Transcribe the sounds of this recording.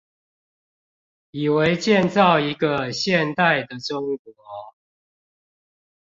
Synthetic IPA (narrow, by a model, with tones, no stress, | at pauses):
i˨˩we˧˦ɪt͡ɕjɛ˥˨nt͡sɑ˥˨ʊi˧˦ɡə˨ɕjɛ˥˨nt̪a˥˨ɪd̪ə˨˩ʈ͡ʂʊ˦ŋkwɔ˧˦